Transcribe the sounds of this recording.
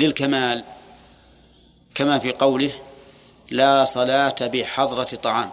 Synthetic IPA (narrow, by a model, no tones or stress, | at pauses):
lɪlkamaːl | kamaːfiːqɑwlɪh | laːsˤɑlaːt̪abɪħɑðˤɾˤɑt̪ˤːɑʕɑːm